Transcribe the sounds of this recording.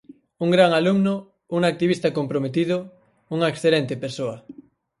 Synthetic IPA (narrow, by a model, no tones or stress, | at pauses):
uŋɡɾaŋalumnʊ | uŋak̚t̪iβ̞ist̪ɐkompɾomet̪iðʊ | uŋaeksθelent̪epeɾsoɐ